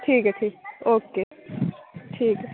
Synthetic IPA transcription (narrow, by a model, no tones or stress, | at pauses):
ʈʰiːkʈʰiːkoːkeː | ʈʰiːk